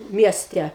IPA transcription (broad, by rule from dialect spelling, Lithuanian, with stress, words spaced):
ˈmʲiɛsʲtʲɛ